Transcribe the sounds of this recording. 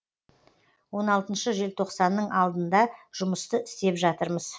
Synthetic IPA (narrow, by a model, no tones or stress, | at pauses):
wo̞nɑlˠt̪ənʃəʒe̞lt̪ʰo̞qsɑnːəɴɑlˠd̪ənd̪ɑʒ̥ʊməst̪əɪst̪e̞pʒɑt̪əɾməz̥